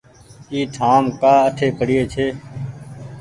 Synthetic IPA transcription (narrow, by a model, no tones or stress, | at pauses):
iːʈʰaːmkaːəʈʰeːpəɽɪjeːt͡ʃʰeː